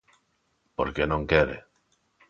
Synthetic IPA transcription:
po̰ɾkenõŋkeɾḛ

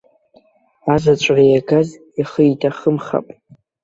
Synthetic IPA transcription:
azʷat͡ʃʷʼrijaɡaz | iχəjitʰaχəmχa̰pʼ

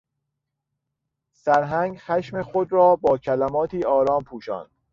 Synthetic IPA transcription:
sæɾɦæŋɡxæʃmexod̪ɾɒːbɒːcʰælæmɒːt̪ʰiːɒːɾɒːmpʰuːʃɒ̰ːnd̪̥

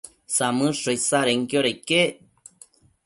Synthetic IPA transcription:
samɨʂojsaɾeŋkjoɾejke

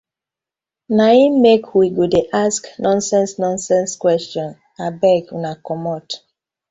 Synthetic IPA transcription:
naimekwiɡodeʔasknɔ̃nsɛ̃nsnɔ̃nsɛ̃nskwɛstɔ̃n | abɛɡunakɔmɔt

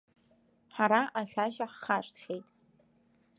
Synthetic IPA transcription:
ħaɾaʔaʃʷᶣaʃaħχaʂtχʲejtʼ

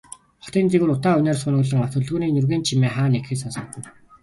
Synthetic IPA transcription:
χɔ̥t̪iːnt͡seɣɘːɾʊt̪aːɵnæːrsχʊnʊːɮə̆ŋaw̥t̪ʰɵ̆ɮɣuːniːnɵrɣeːnt͡ɕʰimeːχaːnekxeːsansɞ̆t̪ɘ̆n

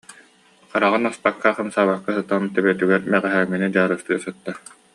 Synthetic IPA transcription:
q͡χaɾaʁɯnaspakːaχɯmsaːbakːasɯt̪amt̪ɛbɛt̪yɡɛɾmɛʁɛɦæːŋːinid͡ʑaːɾɯst̪ɯɐsɯt̪ːa

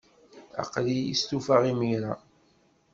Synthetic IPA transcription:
ɑ̰qlijḭst̪ufaʁimiɾa

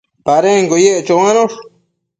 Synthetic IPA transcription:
paɾeŋɡojeʔt͡ʃowanoʂ

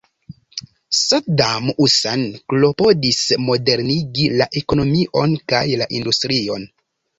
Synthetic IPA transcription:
sadamusanklo̞po̞dismo̞de̞ɾniɡilaʔe̞kono̞miʔo̞nkajlaʔindustɾio̞n

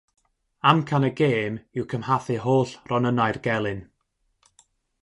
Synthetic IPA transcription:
amkʰanəɡeːmɪwkʰəmhaθɨɦoːɬrɔnənaɨrɡɛlˠɨn

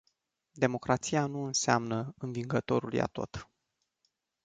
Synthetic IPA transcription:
d̪e̞mo̞kɾat̪sijanuɨnseamnəɨnviŋɡət̪o̞ɾulja̰t̪o̞̰t̪

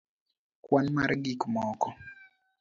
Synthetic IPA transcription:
kwanmaɾɡikmɔkɔ

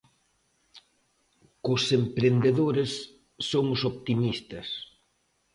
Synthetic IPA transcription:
kʊsempɾend̪eðoɾesː | oŋʊsopt̪imist̪ɐs

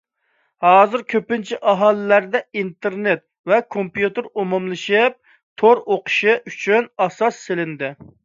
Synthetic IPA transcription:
hɑːzɪɾkʲʰøpɪnt͡ʃʰiʔɑɦɑːlˠɨlæɾd̪ɛint̪ɪɾnet̪̚ | vɛkʰompjut̪ɨɾumumlˠɨʃɪp̚ | t̪ʰoɾoqʰʊ̥ʃɪʔyt͡ʃʰynɑsɑsːelɪnd̪ɪ

